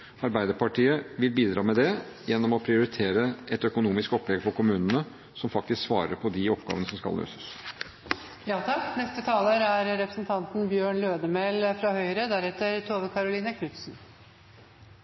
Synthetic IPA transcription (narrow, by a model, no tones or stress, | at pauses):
ɑɾbæɪd̪əɾpɑʈʰiːəʋɪlbiːd̪ɾɑːmɛd̪ɛ | jɛnːɔmɔpʰɾɪʊɾɪt̪ʰeːɾəɛt̪œkʊnuːmɪskɔplɛɡfɔɾkʊmʉːnənə | sɔmfɑk̚t̪ɪsksʋɑːɾə̰ɾpʰɔd̪ɪɔpɡɑ̰ːʋənəsɔmskɑ̰lːø̰ːsə̥s | jɑːt̪ʰɑkːnɛst̪ət̪ʰɑːləɾæɾɾɛpɾəsnt̪ʰɑnt̪nbjøːɳløːd̪əmɛlfɾɑhœʏɾəd̪æɾɛt̪əɾt̪ʰoːʋəkʰɑɾʊliːnəkʰnʉt̪sn̩